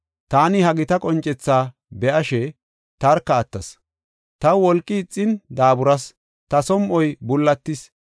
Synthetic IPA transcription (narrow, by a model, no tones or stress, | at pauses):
t̪aːnɪhɐɡɪt̪ɐkʼɔnt͡ʃʼːɛt͡sːaː | bɛʔɐʃɛ | t̪ɐɾkːɐːt̪ːɐs | t̪ɐwɔlkʼːɪːt͡sʼːɪnd̪aːbʊɾɐs | t̪ɐsɔmʔɔjbʊlːɐt̪ːɪs